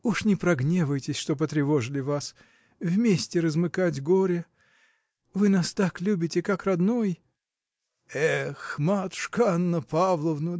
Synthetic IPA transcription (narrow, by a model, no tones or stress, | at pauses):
uʂnʲɪpɾɐɡnʲevəjtʲɪsʲʂt̪op̬ət̪ɾʲɪvo̞ʐɨlʲɪvas | vmʲesʲtʲɪɾəzmɨkatʲɡoɾʲɪ | vɨnast̪aklʲubʲɪtʲɪkakrɐd̪noj | ɛxmat̪ʂkanːəpavlˠəvnɨ